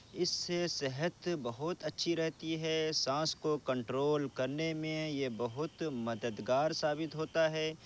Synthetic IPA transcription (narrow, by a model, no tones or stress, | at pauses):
ɪsːesɛɦət̪bɐɦʊt̪ɐtːʃʰiɾɛɦt̪iɦɛːsãːskokɐ̃ɳʈɾoːlkɐɾnemẽjebɐɦʊt̪mɐd̪əd̪ɡaːɾsaːbɪt̪ɦoːt̪aɦɛː